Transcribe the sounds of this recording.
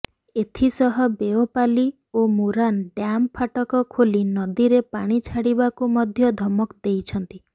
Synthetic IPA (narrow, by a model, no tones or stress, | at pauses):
et̪ʰisɔɦɔbeopali | omuɾanɖjampʰaʈɔkɔkʰolinɔd̪iɾepaɽ̃it͡ʃʰaɽibakumɔd̪ʱjɔd̪ʱɔmɔkd̪ejt͡ʃʰɔnt̪i